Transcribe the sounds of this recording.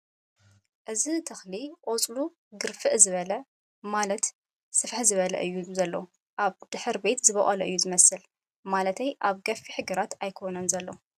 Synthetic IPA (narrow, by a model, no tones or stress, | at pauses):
ʔɨzit̪ʰɐxliʔʼot͡sʼlu | ɡɨɾfɨʔzɨβɐlɐ | malɐt̪ | sɨfħzɨβɐlɐ̰ʔɨjːuzɐlːo | ʔaβd̪̥ɨħɨɾbe̞t̪zɨβɐχʼɐlɐʔɨjːuzɨmɐsɨl | malɐt̪ʰɐjʔaβɡɐfːiħɨɡɨɾat̪ajkʰo̞nɐnzɐlːo